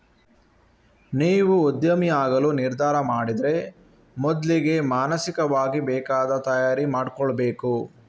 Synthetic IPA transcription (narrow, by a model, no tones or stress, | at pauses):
niːʋuud̪jɐmijaːɡɐluniɾd̪ʱaːɾɐmaːɽid̪ɾe̞ | mɔd̪liɡe̞maːnɐsikɐʋaːɡibɛːkaːd̪ɐt̪ɐjaːɾimaːɽkɔɭɐbeːku